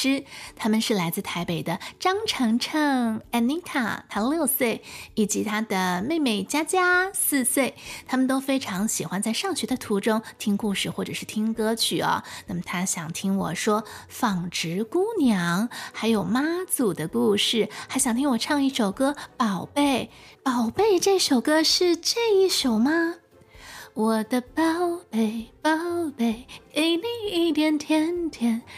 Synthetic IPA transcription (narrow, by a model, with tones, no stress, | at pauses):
ɻ̩˥t̪ʰa˥mə˨nʂɻ̩˥˩la˧˥ɪt͡sɹ̩˥˩t̪ʰa˧˥ɪpe˨˩ɪd̪ə˦ʈ͡ʂɑ˥ŋʈ͡ʂʰɤ˧˥ŋʈ͡ʂʰə˥˧ŋɛ˧˥˩ni˧˥ŋkʰa̰˥˩t̪ʰa˧˥˧ljo˥˧ʊswe˥˩ɪi˨˩t͡ɕi˧˥t̪ʰa˥d̪ə˨˩me˥˧ɪme˥˩ɪt͡ɕja˥t͡ɕja˥sɹ̩˥˧swe˥˩ɪt̪ʰa˥mə˨nt̪o˥ʊfe˥ɪʈ͡ʂʰɑ˧˥ŋɕi˨˩xwa˥nt͡sa˥˧ɪʂɑ˥˩ŋɕɥɛ˧˥d̪ə˧t̪ʰu˧˥ʈ͡ʂʊ˥ŋt̪ʰi˥ŋku˥˧ʂɻ̩˥˧xwɔ˥˩ʈ͡ʂɤ˨˩ʂɻ̩˥˩t̪ʰi˥ŋkɤ˥t͡ɕʰy˥˩ɐ̰˨˩na˥˩mə˩t̪ʰa˥ɕjɑ˨˩ŋt̪ʰi˥ŋwɔ̰˨˩ʂwɔ˥fɑ˨˩ŋʈ͡ʂɻ̩˧˥ku˥njɑ˧˥ŋxa˧˥ɪjo˨˩ʊma˥t͡su˨˩d̪ə˦ku˥˧ʂɻ̩˥˩xa˧˥ɪɕjɑ˨˩ŋt̪ʰi˥ŋwɔ˨˩ʈ͡ʂʰɑ˥˧ŋi˥˩ʂo˨˩ʊkɤ˥pɑ˨˩ʊpe˥˩ɪ | pɑ˨˩ʊpe˥˧ɪʈ͡ʂɤ˥˧i˥˩ʂo˨˩ʊkɤ˥ʂɻ̩˥˧ʈ͡ʂɤ˥˧i˥˩ʂo˨˩ʊma˥ | wɔ˨˩d̪ə˧pɑ˥˩ʊpe˧˩ɪpɑ˥˩ʊpe˧˥˩ɪe˥ɪli˥˧i˥˩t̪jɛ˧˥nt̪ʰjɛ˥nt̪ʰjɛ˧˥n